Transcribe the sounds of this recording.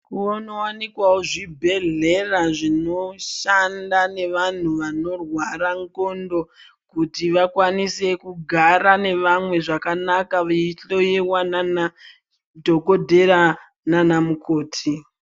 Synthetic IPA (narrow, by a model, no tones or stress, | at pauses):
kuonowanikwawoʐibʱe̞ɮe̞raʐino̞ʃandane̞ʋan̤uʋano̞rwaɾaŋkondo̞ | kutiʋakwanise̞kuɡʱaɾane̞ʋamwe̞ʐakanakaʋaiɬo̞jewanana | dʱo̞kodʱe̞ɾa | nanamukʰo̞ːtʰi